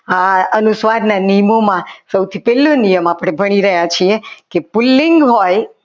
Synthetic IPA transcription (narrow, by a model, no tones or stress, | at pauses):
aənusʋaɾnanijəmomãsəwt̪ʰipɛlːõnijəmapəɽ̃ebʱəɽ̃iɾəɦjat͡ʃʰiekepulːɪŋɡɦoj